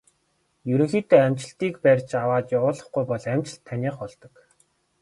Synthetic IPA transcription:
jɵɾɵ̆ŋxiːt̪eːæmʲt͡ɕɪ̆ɬt̪iːkpærʲt͡ɕawaːt̪jawʊːɮə̆χɡujpɔɮæmʲt͡ɕɪ̆ɬt̪ʰːaniːχɔɮt̪ɞ̆k

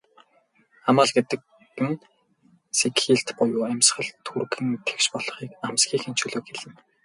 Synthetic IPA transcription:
amaːɮɡet̪ɘ̆k̚ | pɘ̆n | set̪xiːɮt̪pʊjʊːæmʲsχə̆ɮt̪ʰurɣɘ̆nt̪ʰe̥wʃpɔɮ̥ɞ̆χiːkamsɡiːxen̥t͡ɕɵːɮoːkxeɮɘ̆n

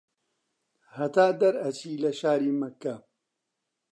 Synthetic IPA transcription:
hɐt̪aːd̪ɐɾɐt͡ʃiːlɐʃaːɾiːmɐkːɐ

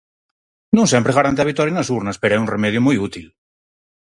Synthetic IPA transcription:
nũŋsempɾeɣaɾant̪eaβit̪oɾjenasuɾnaspeɾoɛunremeð̞jumujut̪il

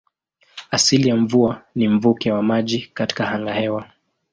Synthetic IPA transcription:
asilijamvuanim̩vukɛwamaʄikati̥kahaŋɡahɛwa

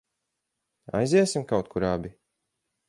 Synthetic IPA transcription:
a̰jziɛsimkawt̪̚kʰuɾabi

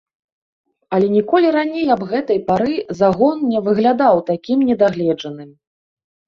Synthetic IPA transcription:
ɐlʲɛnʲikɔlʲiɾanʲejɐbɣɛt̪ɐjpaɾɨzaɣɔnnʲɛvɨɣlʲad̪awt̪akʲimnʲɛd̪aɣlʲɛd͡ʐɐnɨm

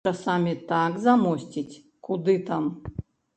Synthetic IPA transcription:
asamʲit̪akzamɔsʲtʲitʲ | kud̪ɨt̪am

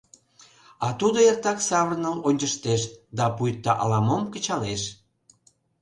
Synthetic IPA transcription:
ɑt̪ud̪oert̪ɑksɑβərnəlonʲt͡ɕəʃt̪eʃd̪ɑpujt̪ːəʔɑlɑmomkə̆t͡ɕɑleʃ

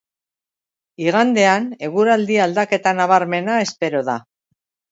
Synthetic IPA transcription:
iɣand̪e̞ane̞ɣuɾald̪iald̪ake̞t̪anaβ̞aɾme̞nae̞spe̞ɾo̞ða

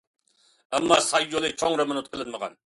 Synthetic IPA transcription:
æmːɑːsɑjːolˠɨt͡ʃʰoŋɾɑmɨnʊt̪̚qʰəlˠɪnməʁɑ̰n

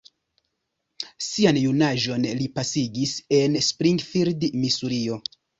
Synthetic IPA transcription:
sianjunaʒo̞nlipasiɡise̞nspɾiŋɡfiɾdmisuɾio̞

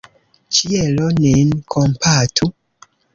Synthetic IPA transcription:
t͡ʃieloninkʰompʰatʰu

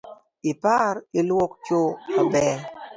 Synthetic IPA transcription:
ɪpaɾilwɔkt͡ʃoabɛ

